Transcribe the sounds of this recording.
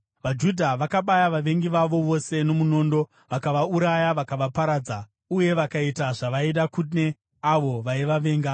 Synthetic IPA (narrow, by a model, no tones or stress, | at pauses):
ʋad͡ʒudʱaʋakaɓajaʋaʋe̞ŋɡiʋaʋo̞ʋo̞se̞no̞muno̞ːndo̞ | ʋakaʋauɾajaʋakaʋapaɾaːd͡za | uje̞ʋakaitaʐaʋaiɗakune̞ | aʋo̞ʋaiʋaʋe̞ːŋɡa